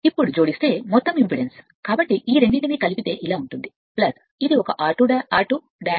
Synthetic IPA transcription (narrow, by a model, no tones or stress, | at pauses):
ipːuɽud͡ʒoːɽist̪e̞ːmɔt̪ːɐmimpiɽens | kaːbɐʈːiʔiːɾe̞ɳɖiʈinikɐlipit̪e̞ːʔilaːuɳʈund̪i | plɐs | id̪iɔkɐʔaːʈuɖaːʈu | ɖaː